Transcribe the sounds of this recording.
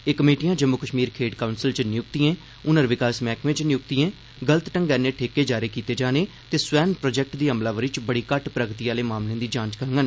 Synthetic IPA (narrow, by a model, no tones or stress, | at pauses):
eːkəmeːʈijãːd͡ʒəmːʊkəʃmiːɾkʰeːɖkaːʊnsɪlt͡ʃnɪjʊkt̪iẽː | ʊnəɾʋɪkaːsmɛːkmẽːt͡ʃnɪjʊk̚t̪iẽː | ɡələt̪ʈə̃ŋɡɛːnẽːʈʰeːkeːd͡ʒaːɾeːkiːt̪eːd͡ʒaːneː | t̪eːsʋɛːnpɾoːd͡ʒɛːk̚ʈd̪iːɦəmlaːʋəɾit͡ʃbəɽiːkəʈpɾəɡt̪iːaːleːmaːmlẽːd̪iːd͡ʒãːt͡ʃkəɾəŋɡən